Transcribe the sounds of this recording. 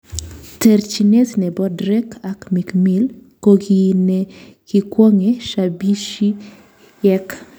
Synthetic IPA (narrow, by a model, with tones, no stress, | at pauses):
tɛ˨ɾt͡ʃi˨ne˦tnɛ˨bɔ˦dɾɛ˦kʰa˨kmi˨kmi˦lko˦ɡi˦nɛki˦kwɔ˦ŋe˨ʃabi˦ʃi˦ | ɛ˦k